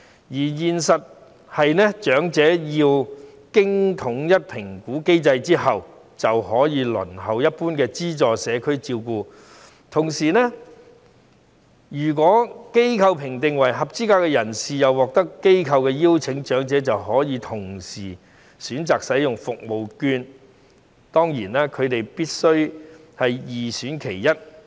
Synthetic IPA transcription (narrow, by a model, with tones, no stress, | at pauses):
jiː˨˩jiː˨nsɐ˨t̚ | hɐ˨jnɛː˥t͡ʃœː˨˥ŋt͡sɛː˨˥jiː˧w | kɪ˥ŋt̪ʰʊ˨˥ŋjɐ˥t̚pʰɪ˨˩ŋkuː˨˥ke˥jt͡sɐ˧jt͡siː˥ɦɐ˨w | t͡sɐ˨whɔː˨˥jiː˨˧lɵ̰˨˩nɦɐ˨˩wjɐ˥t̚puː˥nkɛː˧t͡siː˥t͡sɔː˨sɛː˨˧kʰɵ˥ɥt͡siː˧wkuː˧ | t̪ʰʊ˨˩ŋsiː˨˩nɛ˥ | jyː˨˩k̬ʷɔː˨˥ke˥jkʰɐ˧wpʰɪ˨˩ŋt̪ɪ˨ŋwɐ˨˩jɦɐ˨p̚t͡siː˥kaː˧wkɛ˧jɐ˨˩nsiː˨jɐ˨wːɔː˨k̚t̪ɐ˥kːe˥jkʰɐ˧wkɛː˧ji˥wt͡sʰɪ˨˥ŋt͡ʃœː˨˥ŋt͡sɛː˨˥t͡sɐ˨wɦɔː˨˥jiː˨˧t̪ʰʊ˨˩ŋsiː˨˩ | syː˨˥nt͡saː˨k̚sɐ˨˥jʊ˨ŋfʊ˨k̚mo˨wkyː˧n | t̪ɔː˥ŋjiː˨˩nɛː˥kʰɵ˨˧ɥt̪e˨jpiː˥t̚sɵ˥ɥhɐ˨jjiː˨syː˨˥nkʰe˨˩jːɐ˥t̚